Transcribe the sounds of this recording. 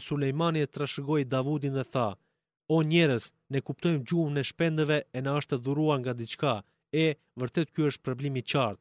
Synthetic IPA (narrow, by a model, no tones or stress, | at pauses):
sulɛjmaniɛt̪ɾaʃɡɔjd̪avud̪inðɛθa | ɔɲɛɾəs | nɛkupt̪ɔjmd͡ʑunɛʃpɛnd̪əvɛːnaəʃt̪əðuɾuaɾŋɡad̪it͡ʃka | ɛ | vəɾt̪ɛt̪̚kuəʃt̪̚pɾɔblimit͡ʃaɾt̪̚